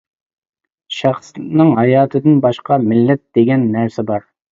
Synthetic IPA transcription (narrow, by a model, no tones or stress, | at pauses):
ʃæχsnɨŋɦɑjɑːt̪ʰɨd̪ɨnbɑʃqɑmɪlːɛt̪̚d̪̥eɡʲɛnːæɾsɛbɑɾ